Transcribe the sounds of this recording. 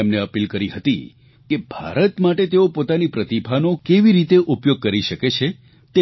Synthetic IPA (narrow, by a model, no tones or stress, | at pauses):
emneəpilkəɾiɦət̪ḭ | kebʱa̰ɾət̪maʈet̪eopot̪anipɾət̪ibʱanokeʋiɾit̪eʔupjoɡ̚kəɾiʃəket͡ʃʰe | t̪e